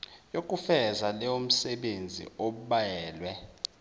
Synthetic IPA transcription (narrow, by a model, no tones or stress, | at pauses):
jok̬ʼufɛzalɛom̩sɛɓend͡zʱḭʔoɓuɓajɛːlwɛ